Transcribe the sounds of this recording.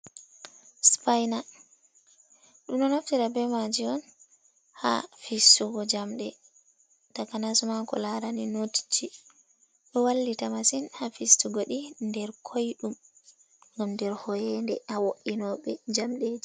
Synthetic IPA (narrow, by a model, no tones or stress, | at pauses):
spajna | ɗumnɔnaftiɾabɛmad͡ʒiɔn | ha̰fistuɡɔd͡ʒamɗɛ | takanasumakɔ̰laɾaninoti̥t͡ʃːi | ɗɔwalːitamasinhafistuɡoɗindɛɾkʰojɗum | ŋɡamndɛɾhɔjɛndɛhawoʔinɔɓɛd͡ʒamɗed͡ʒi